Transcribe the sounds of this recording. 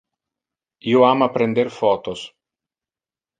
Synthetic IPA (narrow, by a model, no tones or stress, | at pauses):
ioaːmapɾend̪erfɔːt̪os